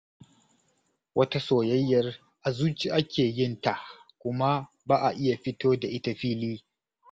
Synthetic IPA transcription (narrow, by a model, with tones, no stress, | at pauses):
wʔɐ˦ta˦soː˨jɐ˦jːɐ˦r | ʔa˨zuː˦t͡ʃi˨ʔa˦kʲeː˨jɪ˦nta˨ʔkʷʊ˦ma˦ | baː˦ʔa˨ʔɪ˦ja˨ɸɪ˦toː˦da˨ʔɪ˦ta˨ɸiː˦liː˦